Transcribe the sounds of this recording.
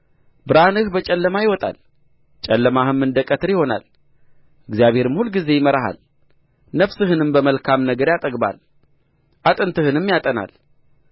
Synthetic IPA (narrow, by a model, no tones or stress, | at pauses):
bɨɾanɨhbət͡ʃʼɛlːəmajɪwɔt̪ʼa̰l | t͡ʃʼɛlːəmahɨmːɨnd̪əkʼət̪ʰɨɾɪho̞na̰l | ʔɨɡzijaβhe̞ɾɨmhulːɡize̞jɪməɾaɦa̰l | nəfsɨhɨnɨmbəməlkʰamnəɡəɾjat̪ʼəɡba̰l | ʔat̪ʼɨnt̪ʰɨhɨnɨmːjat̪ʼəna̰l